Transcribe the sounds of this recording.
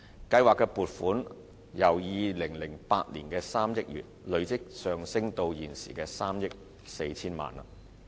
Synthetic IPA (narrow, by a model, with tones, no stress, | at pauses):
kɐ˧jwaː˨kːɛː˧puː˨t̚fuː˨˥n | jɐ˨˩wjiː˨˧lɪ˨˩ŋlɪ˨˩ŋpaː˧t̚nlḭː˨˩nkɛː˧saː˥mjɪ˥k̚jy̰ː˨t̚lɵ˨˧ɥt͡sɪ˥k̚sœː˨ŋsɪ˥ŋt̪o˧wjiː˨˩nsḭː˨˩kɛː˧saː˥mjɪ˥k̚ | se˧jt͡sʰiː˥nma̰ː˨na̰˨